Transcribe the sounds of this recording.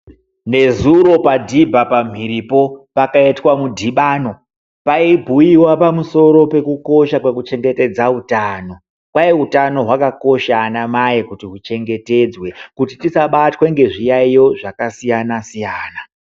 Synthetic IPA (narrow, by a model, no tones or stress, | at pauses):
ne̞zuɾo̞padʱibʱapam̤iɾipo̞pakaetwamudʱiɓano̞ | paibʱuiwapamuso̞ɾo̞pe̞kuko̞ʃakwekut͡ʃe̞ŋɡe̞te̞d͡zautaːno̞ | kwajeutano̞ɦwakako̞ʃaːnamajekutiɦut͡ʃe̞ŋɡe̞te̞d͡zwe̞kutitisaɓatwe̞ŋɡe̞ʐijaijo̞ʐakasijanasijaːna